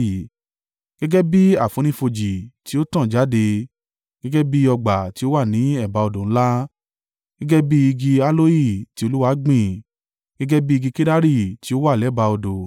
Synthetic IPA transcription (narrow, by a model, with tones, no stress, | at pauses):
ɡ̥ɛ˦ɡɛ˦bi˦a˦˨fũ˨˦nĩ˦fo˧d͡ʒi˨ti˨˦o˦tã˦˨d͡ʒa˨˦de˧ | ɡ̥ɛ˦ɡɛ˦bi˦ɔ˧ɡ͡ba˨ti˨˦o˦wa˦˨nĩ˨˦ɛ˦˨ba˧ɔ˧dõ˨ñ̩˦la˦ | ɡ̥ɛ˦ɡɛ˦bi˦i˧ɡi˧a˦lo˦ji˦˨ti˨˦o˧lu˦wa˧˦ɡ͡bĩ˦˨ | ɡ̥ɛ˦ɡɛ˦bi˦i˧ɡi˧ke˦da˦ɾi˦˨ti˨˦o˦wa˦˨lɛ˨˦˨ba˧ɔ˧dõ˨